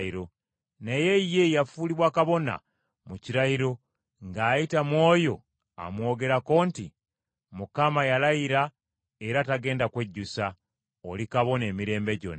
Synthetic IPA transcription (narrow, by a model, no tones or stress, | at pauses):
iɾo̞ | neje̞je̞jafuliβwaːkaβo̞na̰ | muciɾaiɾo̞ | ŋɡaːjitamwo̞ːjo̞ | a̰mwo̞ːɡe̞ɾako̞ːnti | mukamajalajiɾa | eɾataɡe̞ːndakwe̞ɟːusa | olikaβo̞ne̞ːmiɾe̞ːmbe̞ɟo̞̰na